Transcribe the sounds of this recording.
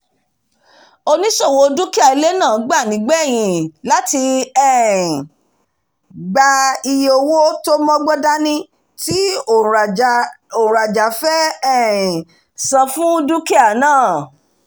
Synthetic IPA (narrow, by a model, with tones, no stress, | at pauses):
o˧nĩ˦ʃo˦˨wo˧˦du˦ki˦a˦˨i˨˧le˦nã˦˨ɡ͡ba˦˨nĩ˨˦ɡ͡bɛ˦˨j̃ĩ˨˧˨la˦ti˧ɛ˦˨ | ɡ͡ba˧i˧jo˧˨wo˦to˦mɔ̃˦ɡ͡bɔ˦da˦nĩ˧˦ | ti˦˨ | o˨ɾa˨d͡ʒa˨fɛ˦ɛ˦˨ | sã˧fũ˦du˦ki˦a˨nãː˦˨